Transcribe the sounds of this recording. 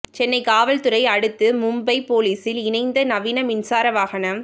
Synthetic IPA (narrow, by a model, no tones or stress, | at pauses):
t͡ʃɛnːɐɪkaːʋɐlt̪ɯɾɐɪɐɽɯt̪ːɯmʊmbɐɪpoːliːsɪlɪnɐɪnd̪ɐnɐʋiːnɐmɪnsaːɾɐʋaːɣɐnɐm